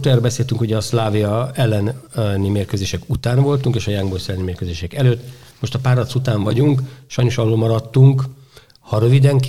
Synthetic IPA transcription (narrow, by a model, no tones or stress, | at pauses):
t̪ɛrːbɛseːlt̪yŋkuɟɛːslaːviɒɛlːɛnnimeːrkøzeːʃɛkut̪aːnvo̞lt̪uŋkeːʃɒjaŋɡborsɛlːɛnimeːrkøːzeːʃɛkɛløːt̪ː | moʃt̪ɒpaːɾɒt̪sut̪aːɱvɒ̰ɟuŋkʃɒjnoʃɒlːoːmɒɾɒt̪ːuŋk | hɒɾø̞vid̪ɛŋk